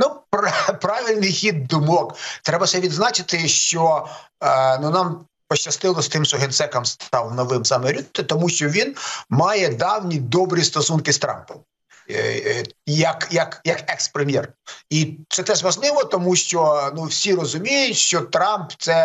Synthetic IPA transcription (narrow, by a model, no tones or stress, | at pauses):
nupɾpɾɑʋʲilʲnɪjxʲid̪̚d̪ʊmɔkt̪ɾɛbɐsɛʋʲid̪znɑt͡ʃɪt̪ɪʃt͡ʃɔ | nunɑm | pɔʃt͡ʃːɐst̪ɪlˠɔsʲt̪ɪmʃɔɦent̪sɛkɐmst̪ɑwnɔʋɪmsɑmeɾʲut̪ːɪt̪ɔmuʃt͡ʃɔʋʲinmɑjɛd̪ɑwnʲid̪ɔbɾʲist̪ɔsunkɪst̪ɾɑ̰mpɔm | jɐkjɐkjɐkɛkspɾemʲjɛrit̪sɛt̪ɛʒʋɐʒnˠɪʋɔt̪ɔmuʃt͡ʃɔnuwsʲirɔzʊmʲijʊtʲʃt͡ʃɔt̪ɾɑmpt̪sɛ